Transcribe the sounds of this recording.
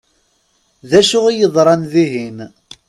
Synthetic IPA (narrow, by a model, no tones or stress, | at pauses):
ðæʃʊʁijəðˤɾˤɑnðiɦim